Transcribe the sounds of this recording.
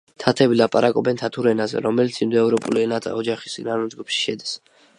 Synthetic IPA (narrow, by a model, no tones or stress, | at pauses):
t̪ʰat̪ʰɛbilˠapʼaɾakʼɔbɛnt̪ʰat̪ʰuɾɛnazɛ̰ɾɔmɛlit̪sʰimd̪ɛɛvɾɔpʼṵliɛnat̪ʰa̰ɔd͡ʒaχist̪ʼinaɾumd̪ɡupʃi̥ʃɛd̪is